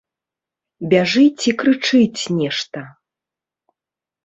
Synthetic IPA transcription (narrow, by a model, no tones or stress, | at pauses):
bʲaʐɨt͡sʲikɾɨt͡ʂɨt͡sʲnʲɛʂt̪ɐ